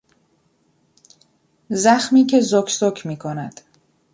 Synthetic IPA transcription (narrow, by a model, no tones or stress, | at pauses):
zæxmiːcʰe̞zokʰsokʰmiːkʰonæd̪̥